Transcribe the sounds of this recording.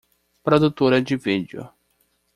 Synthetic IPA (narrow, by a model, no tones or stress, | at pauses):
pɾod̪ut̪oɾɐd͡ʒɪvid͡ʒʊ̰